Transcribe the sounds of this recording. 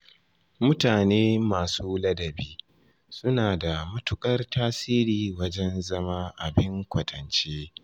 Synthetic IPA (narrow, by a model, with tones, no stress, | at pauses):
mʊ˦taː˨neː˦maː˨suː˦lɐ˦dɐ˨biː˦ | sʊ˦naː˨da˨mʊ˦tʊ˦kʼɐ˦rtaː˦siː˦ɾiː˨wɐ˦d͡ʒɛ˦nzɐ˦maː˦ʔa˨bɪ˦ŋkʷɐ˨tʰɐ˨nt͡ʃeː˦